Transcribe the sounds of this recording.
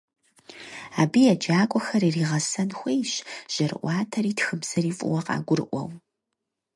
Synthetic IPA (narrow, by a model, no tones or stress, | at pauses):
aːbiːjɛd͡ʒaːkʷʼɔxɐɾiːriːʁɐsɐnxʷejɕʒ̥ɐrɨ̰ʔʷɑːtʰɐɾiːtxɨbz̥ɐɾiːfʼʊ̰wɐqɑ̰ːɡʷʊrɨʔʷɔ̰w